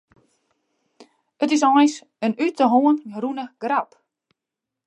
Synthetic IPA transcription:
ətɪs̬ɔjns | ənytəɦoənrunəɡ̥rap

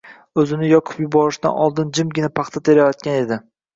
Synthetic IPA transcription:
ɵzɪnɪjɒqʰʊ̥pjʊbɒɾɪʃd̪a̰nɒlˠd̪ɪnd͡ʒɪmɡʲɪnapʰɑχt̪ʰat̪ʰeɾajɒt̪̚kʲane̞d̪ɪ

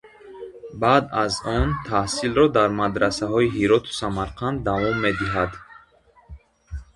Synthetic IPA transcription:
bad̪azɔnt̪ʰahsilɾɔd̪aɾmad̪ɾasaɦɔiɦiɾɔt̪ʰu̥samaɾqʰand̪ːavɔmːed̪iɦad̪

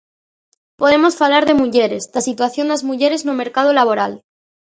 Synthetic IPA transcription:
poð̞e̞mo̞sfalaɾðe̞muʝe̞ɾe̞zd̪asit̪waθjo̞nd̪azmuʝe̞ɾe̞znome̞ɾkað̞olaβ̞o̞ɾal

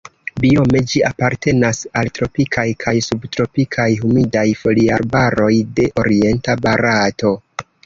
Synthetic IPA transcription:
bio̞me̞d͡ʒiapaɾte̞nasaltɾo̞pikʰajkʰajsubtɾo̞pikʰajɦumidajfo̞liaɾbaɾo̞jde̞ʔo̞ɾie̞ntabaɾato̞

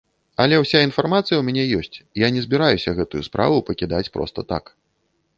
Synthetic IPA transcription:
ɐlʲɛwsʲainfarmat̪sɨjɐwmʲanʲɛjɔsʲt͡sʲjanʲɛzʲbʲiɾajusʲɐɣɛt̪ujuspɾʔa̰vupɐkʲid̪at͡sʲpɾɔ̰st̪ɐt̪a̰k

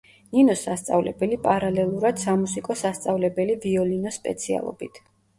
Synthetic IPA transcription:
ninɔsːast̪sʼa̰vlɛbɛlipʼaɾalɛlˠuɾad̪̥samusikʼɔsast̪sʼavlɛbɛliviɔlinɔspʼɛ̰t̪sʰia̰lˠɔ̰bit̪ʰ

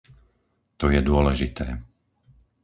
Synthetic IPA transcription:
t̪ɔjɛd̪ʊɔlɛʒit̪ɛː

